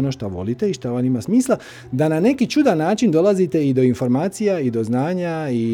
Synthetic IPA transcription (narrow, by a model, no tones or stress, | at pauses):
onoʃt̪aʋo̞̰lit̪e̞iʃt̪aʋanimasmiːslˠa | d̪anane̞kit͡ʃud̪anːaːt͡ʃind̪o̞lˠazit̪e̞id̪o̞info̞ɾmaːt̪sijaid̪o̞znaːɲai